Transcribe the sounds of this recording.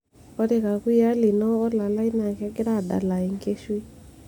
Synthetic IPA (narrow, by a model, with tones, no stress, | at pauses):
ɔ˦ɾe˨ka˨kwi˦a˦li˨nɔ˦ɔ˦la˨la˦i˦na˨kɛ˦ɡɪ˦ɾa˦˨da̰˨la˨ɪ˨ŋke˦ʃwi˦